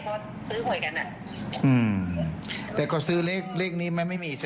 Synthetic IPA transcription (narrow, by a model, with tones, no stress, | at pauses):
kʰɔː˧˥ | sɯː˦˥hu˨˩˦jka˧nʔa˨˩ | ʔɯː˧˩m | t̪ɛː˨˩kɔː˧˩sɯː˦˥leː˥˩k̚leː˥˩k̚niː˦˥ma˧˥˩jma˥˩jmiː˧s